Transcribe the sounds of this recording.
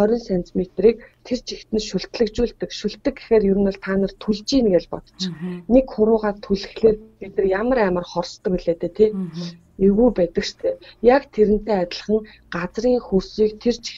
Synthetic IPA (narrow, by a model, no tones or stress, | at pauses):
œɾʲɪ̆nsænt͡smet̪riːk̚t̪ʰert͡ɕʰixt̪ɘ̆nʃʊɬt̪ɮɘ̆kt͡ɕuːɮt̪ɘ̆kʃʊɬt̪ːɘ̆kːexeːrjɵɾɘ̆nɔɮt̪ʰaːnə̆r̥t̪ʰuɮt͡ɕiːnɡeɮpɔ̰t̪ɞ̥̆t͡ɕnekχʊɾʊːʁaːt̪ʰuɮɘ̆xɮeːrpet̪ɘ̆kjamə̆ɾæːmə̆rχɔrst̪ːə̆kiɮeːt̪ʰeːt̪ʰe | ɵɣuːpæt̪ə̆kʃt̪ʰeːjakt̪ʰeɾɘ̆n̥t̪ʰeːat̪ʲɪ̆ɮə̆χə̆ŋ | ɢat͡sriːŋxursiːkt̪ʰert͡ɕi̥